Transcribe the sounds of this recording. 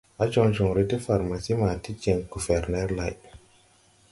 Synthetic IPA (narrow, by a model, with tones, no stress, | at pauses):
a˦t͡ʃɔ˦nd͡ʒɔ˨ŋɾe˦te˦fa˨ɾma˨si˦ma˨ti˦t͡ʃe˨ŋɡu˨fɛ˨ɾnɛ˦ɾla˨j